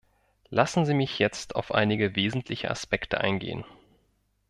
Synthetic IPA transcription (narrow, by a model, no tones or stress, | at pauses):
lʔasn̩ziːmɪçjɛt͡stʰaʊfʔa̰ɪnɪɡəveːzn̩tʰlɪçə̰ʔa̰spɛktʰəʔa̰ɪnɡḛːə̰n